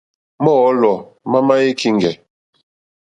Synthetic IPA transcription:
mɔ˦ɔ˦lɔ˨ma˦ma˦je˦kʰi˦ŋ˨ɡɛ˨

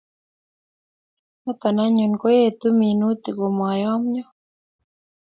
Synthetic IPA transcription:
nɔ˦t̪a˨na˦ɲu˨nko˦je˦t̪u˦mi˨nu˦t̪i˨ɡo˨mwa˨jɔ˦mɲɔ˦

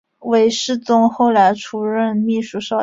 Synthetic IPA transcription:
we˧˥ɪʂɻ̩˥˩t͡sʊ˥ŋxo˥˩ʊla˧˥ɪʈ͡ʂʰu˧˥ɻə˥˧nmi˥˧ʂu˥˩ʂɑ˥˩

